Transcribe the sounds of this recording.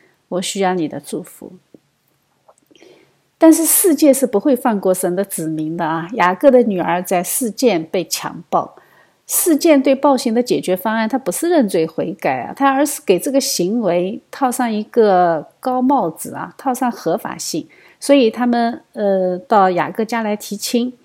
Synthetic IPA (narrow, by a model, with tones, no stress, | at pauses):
wɔ˨˩ɕy˥jɑ˥˧˩ʊni˨˩d̪ə˦ʈ͡ʂu˥˩fṵ˧˥˦ | t̪a˥˧nʂ̬ɻ̩˥˧ʂɻ̩˥˧t͡ɕjɛ˥˧ʂɻ̩˥˩pu˧˥xwe˥˧ɪfa˥˧nkwɔ˥˩ʂə˧˥nd̪ə˧t͡sɹ̩˨˩mi˧˥ŋd̪ə˧ɐ˧ja˨˩kɤ˥˩d̪ə˩ny˨˩ə˞˧˥t͡sa˥˧ɪʂɻ̩˥˧t͡ɕjɛ˥˧npe˥˩ɪt͡ɕʰjɑ̰˧˥ŋpɑ˥˩ʊ | ʂɻ̩˥˧t͡ɕjɛ˥˧nt̪we˥˧ɪpɑ˥˩ʊɕi˧˥ŋd̪ə˧t͡ɕjɛ˨˩t͡ɕɥɛ˧˥fɑ˥ŋa˥˩nt̪ʰa˥pu˧˥ʂɻ̩˥˧ɻə˥˧nt͡swe˥˩ɪxwe˧˥ɪka˨˩ɪɐ̰˩t̪ʰa˥ə˞˧˥ʂɻ̩˥˩ke˨˩ɪʈ͡ʂɤ˥˩ɡə˩ɕi˧˥ŋwe˧˥ɪt̪ʰɑ˥˧ʊʂɑ˥˩ŋi˧˥ɡə˧kɑ˥ʊmɑ˥˩ʊt͡sɹ̩˨˩ɐ̰˩t̪ʰɑ˥˧ʊʂɑ˥˩ŋxɤ˧˥fa̰˨˩ɕi˥˩ŋ | swɔ˧˥i˨˩t̪ʰa˥mə˨nə˥˧t̪ɑ˥˩ʊja̰˨˩kɤ˥˧t͡ɕja˥la˧˥ɪt̪ʰi˧˥t͡ɕʰi˥ŋ